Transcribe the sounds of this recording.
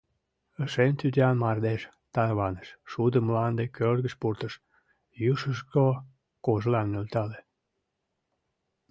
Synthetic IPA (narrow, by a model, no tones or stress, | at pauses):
əʃent̪yt̪ʲeɑnmɑrd̪eʃ | t̪ɑrβɑnəʃʃud̪əmlɑnd̪ekørɣə̆ʃpurt̪əʃ | juʃəʃko | koʒlɑnːølt̪ɑle